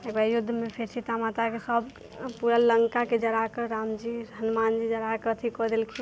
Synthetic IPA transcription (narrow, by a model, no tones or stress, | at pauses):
ekbajʊd̪ʱːmepʰeɾt͡ʃʰit̪amat̪akesəb | puɾaləŋkaked͡ʒəɾakəɾaːmd͡ʒiɾɦənmaːnd͡ʒid͡ʒəɾakəət̪ʰikɔd̪elkʰi